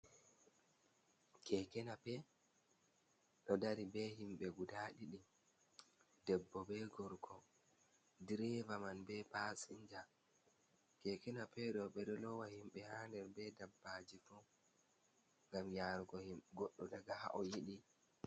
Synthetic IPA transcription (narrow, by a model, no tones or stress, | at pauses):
kʰɛkɛnapɛ | ɗɔdaɾibɛɦimɓɛɡudaːɗiɗim | dɛbːɔbɛɡɔɾkʰɔ | diɾɛvamanbɛpasiɲd͡ʒa | kɛkɛnapɛɗɔɓɛɗɔlɔwahimɓɛhaːndɛɾbɛdabːad͡ʒifɔ | ŋɡamjaɾɡɔhimɡɔɗːɔdaɡaha̰ʔɔjiɗi